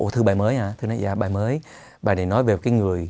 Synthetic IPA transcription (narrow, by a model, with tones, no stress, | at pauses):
ʔo˧˩t̪ʰɨ˧ɓaː˨˩jməː˨˦jhaː˧˩t̪ʰɨ˧na̰˧˦jza̰ː˧˩ɓaː˨˩jməː˨˦j | ɓaː˨˩ne˧˩nɔ˨˦jve˨˩˨kaː˨˦jŋɨ˨˩əj